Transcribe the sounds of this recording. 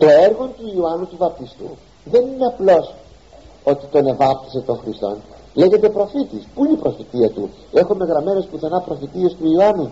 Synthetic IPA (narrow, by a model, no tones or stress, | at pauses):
t̪o̞e̞ɾɣo̞nt̪uioɐnut̪uvɐp̚t̪ist̪ṵ | ðe̞nine̞ɐplo̞s | o̞t̪i̥t̪o̞ne̞vɐp̚t̪i̥set̪o̞ŋxɾist̪o̞̰n | le̞ʝe̞t̪epɾo̞fit̪ispuinipɾo̞fit̪iɐt̪u | e̞xome̞ɣɾɐme̞no̞spuθenɐpɾo̞fit̪ie̞st̪uiɐnu